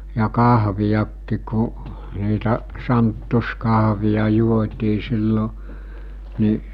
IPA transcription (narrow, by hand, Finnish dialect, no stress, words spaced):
jɑ kɑhʋijɑkːik ku niːtæ sɑntːu̞skɑɦʋijɑ juotʲiː silːo ni